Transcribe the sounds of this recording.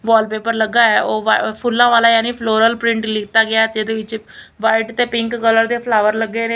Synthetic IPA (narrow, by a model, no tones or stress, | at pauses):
ʋɔːlpeːpəɾləɡːaːɛːoːʋapʰʊlːãːʋaːlaːjaːniːpʰloːɾəlpɾɪ̃ɳʈlɪkʰt̪aːɡɪaːt̪eːd̪eːʋɪt͡ʃ | ʋaːɪʈt̪eːpɪ̃ŋkɡələɾd̪eːpʰlaːʋəɾləɡːeːneː